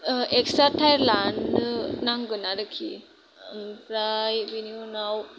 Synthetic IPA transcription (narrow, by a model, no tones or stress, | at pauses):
eksaʈʰajɾlannãŋɡənaɾəkʰḭ | npɾajʋiniunaw